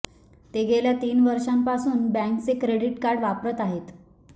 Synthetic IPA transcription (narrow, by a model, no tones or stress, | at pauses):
t̪eɡʱeljat̪iːnʋəɾʂampasuːnbɛ̃ŋkt͡sekɾeɽiʈkaɾɽʋapɾət̪aɦet̪